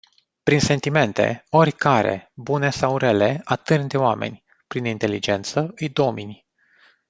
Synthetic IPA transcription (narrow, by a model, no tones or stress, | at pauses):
pɾinse̞nt̪ime̞nt̪e̞̰o̞rʲkaɾe̞̰bune̞sawɾe̞le̞at̪ɨnd̪eoame̞̰nʲ | pɾinint̪e̞lid͡ʒe̞nt̪səɨjd̪o̞minʲ